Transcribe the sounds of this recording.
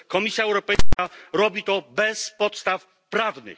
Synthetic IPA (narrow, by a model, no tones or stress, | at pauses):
kɔmʲisʲjaɛwɾɔpɛjskaɾɔbʲit̪ɔbɛspɔt̪st̪af | pɾavnɘ̰x